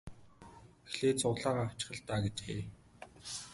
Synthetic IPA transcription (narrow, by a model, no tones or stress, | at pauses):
xɮeːt͡sʰʊʁɮaːʁaːḁt͡ɕɪ̥̆χə̆ɮt̪aːɡet͡ɕxḛː